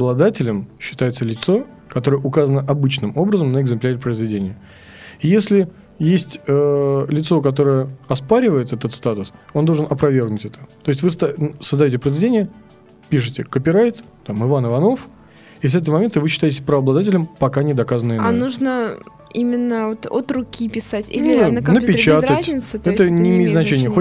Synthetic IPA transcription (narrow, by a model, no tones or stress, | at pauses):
ɐblˠɐd̪atʲɪlʲəmɕːɪ̥t̪ajɪt̪səlʲɪt̪so̞ | kɐt̪o̞ɾəjəʔʊkazənəʔɐbɨt͡ɕnɨmo̞bɾəzəmnəɪɡzɨmplʲæɾʲɪpɾəɪzvʲɪdʲenʲɪjə | ijesʲlʲɪ | jesʲtʲəlʲɪt̪so̞kɐt̪̬o̞ɾəjəɐspaɾʲɪvəjɪt̪ɛt̪ət̪st̪at̪ʊsond̪oʐɨnɐpɾɐvʲe̞rɡnʊtʲɛt̪ə̥t̪o̞jɪsʲtʲvɨst̪səzd̪ɐjotʲɪpɾəɪzvʲɪdʲenʲɪjə | pʲiʂ̬ɨtʲɪkəpʲɪɾajt̪ | t̪amɨvanɨvɐno̞f | is̬ɛt̪əvəmɐmʲe̞nt̪ɨvɨɕːɪt̪ajɪtʲɪsʲpɾəɐblˠɐd̪atʲɪlʲəmpɐkanʲɪd̪ɐkazənɨjnanuʐnə | imʲɪnːəvot̪ot̪rʊkʲipʲɪsatʲḭlʲɪunnəpʲɪt͡ɕat̪əzʲnʲɪt̪sɨt̪ɛt̪ənʲɪːmʲejɪt̪znɐt͡ɕenʲɪjəxo